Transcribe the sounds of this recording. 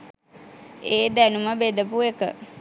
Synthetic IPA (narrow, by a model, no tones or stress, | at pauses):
eːd̪ænuməbed̪əpuekə̰